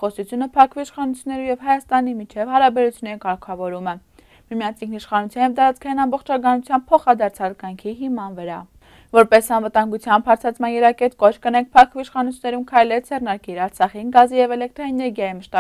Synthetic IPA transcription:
χɔsut͡sʰjunəpʰɑkʰviːʃχɑnut͡sʰjunːɛɾujɛvɦɑjɑst̪ɑnimit͡ʃʰɛvhɑɾɑbɛɾut͡sʰjunːɛɾikɑɾkʰɑvɔɾumə | mimjɑnt͡sʰiŋkʰniʃχɑnut͡sʰjɑnjɛvd̪ɑɾɑt͡skʰɑjinɑmbɔχt͡ʃʰɑkɑnut͡sʰjɑmb̚pʰɔχɑd̪ɑɾt͡sʰɑlkɑjŋkʰiɦimɑnvəɾɑ̰ | vɔɾpɛsɑnvət̪ɑŋɡut͡sʰjɑmbhɑɾt͡sʰɑt͡sʰmɑnjɛɾɑkɛt̪kɔt͡ʃʰkənɛŋk̚ʰpʰɑkʰviiʃχɑnut͡sʰunːɛɾumkʰɑjlɛɾd͡zʰɛrnɑɾkiɾɑɾt͡sʰɑχinɡɑzijɛvɛlɛk̚t̪ɾɔɛnɛɾɡjɑjiməʃt̪ɑ

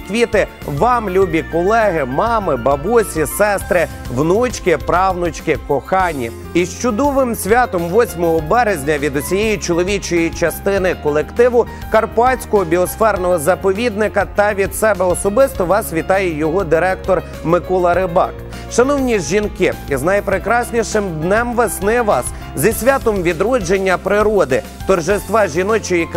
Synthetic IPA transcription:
kʋʲit̪ɪ | ʋɑmlʲubʲikɔlˠɛɦɪmɑmɪbɐbusʲisɛst̪ɾɪ | ʋnut͡ʃkɪpɾɑwnʊt͡ʃkɪkɔxɑnʲḭ | iʃt͡ʃʊd̪ɔʋɪmsʲʋʲɑt̪ɔmʋɔsʲmɔɦɔbɛɾezʲnʲɐʋʲid̪ɔsʲijejit͡ʃɔlˠɔʋʲit͡ʃɔjit͡ʃɐst̪ɪnɪkɔlˠekt̪ɪʋʊ | kɐrpɑsʲkɔɦɔbʲiɔsfɛrnɔɦɔzɐpɔʋʲid̪nɪkɐt̪ɐʋʲid̪sɛbɛɔsɔbɪst̪ɔʋɑsʋʲit̪ɑjɛjɔɦɔd̪ɪɾɛk̚t̪ɔr | mɪkɔlˠɐɾɪbɑ̰k | ʃɐnɔwnʲiʒʒinkɪiznɐjpɾɪkɾɑsʲnʲiʃɪmd̪nɛmʋesnɪʋɑs | zʲɐsʲʋʲat̪ɔmʋʲid̪ɾɔd͡ʒenʲːɐpɾɪɾɔd̪ɪ | t̪ɔrʒɪst̪ʋɑʒʲinɔt͡ʃɔji

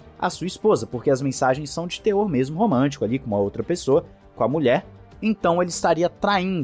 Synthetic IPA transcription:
a̰suɐispozɐpoɾkeɐzmẽsaʒẽj̃sːɐ̃w̃d͡ʒɪt̪eoɾmezmʊɦomɐ̃t͡ʃi̥kʊalikõmɐowt̪ɾɐpesoɐ | kõɐmuʎɛɾ | ẽt̪ɐ̃w̃elɪst̪aɾiɐt̪ɾaĩd̪

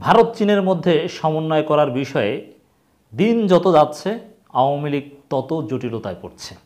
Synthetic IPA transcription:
bʱaɾot̪t͡ɕineɾmod̪ʱːeʃɔmonːɔekɔɾaɾbiʃɔe | d̪ind͡ʑɔt̪od͡ʑatːɕʰe | aoamiliɡ̚t̪ɔt̪od͡ʑoʈilot̪ajpoɾt͡ɕʰe̥

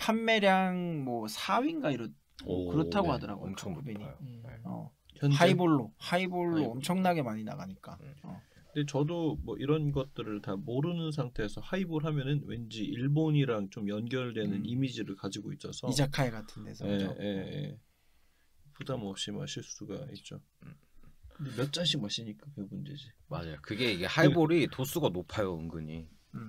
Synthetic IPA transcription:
pʰanme̞ɾjaŋmwʌsʰawinɡaiɾʌ | kɯɾʌaɡohadʌɾa̰ɡo̰ŋkʰubeɲiʌ̰ | ʌnaiboɭːohaiboɭːoʌmt͡ɕʰʌŋnaɡe̞maɲina̰ɡaɲik͈a̰ʌ̰kɯnde̞t͡ɕʌdomwʌʔiɾʌnɡʌt̚t͈ɯɾɯɭtamoɾɯnɯns̬ʰaŋtʰe̞ːsʰʌhaiboɭɦamjʌnɯnwe̞̰nd͡ʑiiɭboɲiɾaŋt͡ɕomjʌnɡjʌɭdwe̞nɯnimid͡ʑiɾɯɭkad͡ʑiɡoits͈ʌsʰʌid͡ʑakʰaeɡatʰɯnde̞sʰʌe̞je̞jḛ | pudamʌp̚ɕ͈ima̰ɕʰiɭs͈uɡa̰it̚t͡ɕ͈o | kkɯndemjʌt̚t͡ɕ͈aɕʰimaɕ͈ʰiɲik͈akɯmund͡ʑed͡ʑimad͡ʑajokɯɡe̞iɡe̞haiboɾitos͈uɡanopʰajoɯŋɡɯɲi

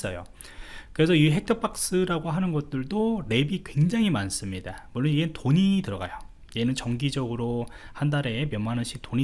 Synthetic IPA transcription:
s͈ʌ̰jo̰ | kɯɾe̞sʰʌiɦe̞k̚tʰʌp͈ʰak̚s͈ɯɾaɡoɦanɯnɡʌt̚t͈ɯɭdoɾe̞bikwe̞ŋd͡ʑaŋɦimans͈ɯmɲidamuɭːoniɡentoɲitɯɾʌɡa̰jo | je̞nɯnt͡ɕʌŋɡid͡ʑʌɡɯɾohandaɾe̞mjʌmanɯnɕ͈ʰik̚t͈oɲi

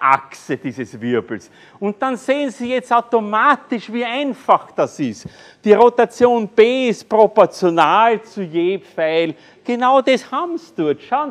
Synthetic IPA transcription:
ʔa̰ksəd̥iːzəsvɪɐbl̩s | ʊnt̚d̥anzeːənsijɛt͡staʊtomaːtɪʃviːæɪnfaxd̥asɪst | d̥iːʁotat͡sjoːnb̥eːɪstpʁopɔɐt͡sjonaːlt͡sujeːpfæɪl | ɡ̥enaʊdɛshabm̩sd̥ʊɐtʃaʊn

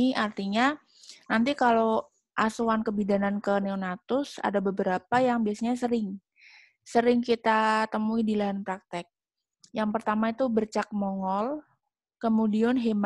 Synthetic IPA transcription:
art̪iɲa | nant̪ikalo | ʔasuankəbidanankəneonat̪ʊsa̰dabəbəɾapajaŋbiasaɲasəɾɪŋ | səɾɪŋkit̪at̪əmuidilaɦanpɾak̚t̪ɛk̚ | jaŋpərt̪amait̪ubərt͡ʃak̚moŋɔl | kəmudiɔnɦem

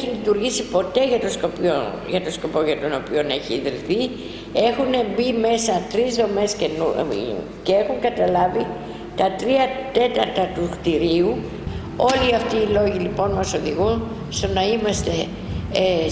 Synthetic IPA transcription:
çilit̪uɾʝisipo̞t̪e̞ʝɐt̪oskopio | ʝɐt̪osko̞po̞ʝɐt̪o̞no̞pio̞ne̞çiðɾiθi | e̞xunebime̞sɐt̪ɾizðo̞me̞scenu | cee̞xuŋɡɐt̪ɐlɐvi | t̪ɐt̪ɾiɐt̪e̞t̪ɐɾt̪ɐt̪uxt̪iɾiu | o̞liɐft̪iːlo̞ʝilipo̞nmɐso̞ðiɣun | st̪o̞nɐimɐst̪e̞

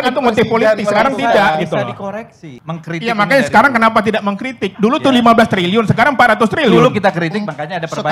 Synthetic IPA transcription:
nit̪umot̪ɪfpolit̪ɪksəsəkaɾaŋt̪idaʔtioɾɛkməŋkɾijamakaɲsəkaɾaŋkənapat̪̬idaʔməŋkɾit̪ɪkk̚dulutt̪ʊlimablast̪ɾiliʊnsəkaɾaŋpat̪̚ɾat̪ʊst̪ɾililukit̪akɾit̪ɪkbakaɲaːdapərba

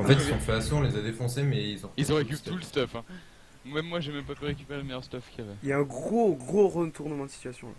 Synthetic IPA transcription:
ɑ̃fɛt̪ilzɔ̃fɛaseɔ̃lezad̪efɔ̃semɛilzɔ̃fizɔ̃ʁekyt̪uləst̪ɔfɛ̃ | ɛmːwaʒɛmɛpapyʁekʲypeʁeləmɛjœʁst̪ɔfkʲiavɛiljaɛ̃ɡʁoɡʁoʁət̪ʰuʁnəmɑ̃d̪əsi̥t̪ɥasjɔ̃a

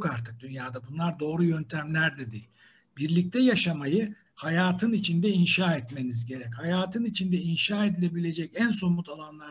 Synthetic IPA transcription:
kaɾt̪ʰɯk̚d̪ynjaːd̪abunlˠaɾd̪o̞ːɾujø̞nt̪ʰæmlʲæɾd̪ɛd̪ejilʲ | biɾlʲic̚t̪ʰɛjaʃamajɯ | hajaːt̪ʰɯnit͡ʃʰind̪ɛinʃaːɛt̪me̞nizɟe̞ɾɛchajaːt̪ʰɯnit͡ʃʰind̪ɛinʃaːe̞d̪ilʲe̞bilʲe̞d͡ʒɛcænso̞mut̪ʰalˠanlˠa

